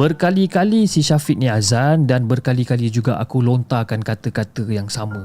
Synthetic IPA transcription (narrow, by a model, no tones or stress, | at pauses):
bərkalikalisiʃafiʔ̚nĩazandanbərkalikalid͡ʒuɡa̰ʔa̰kulont̪akankat̪əkat̪əjaŋsamə̃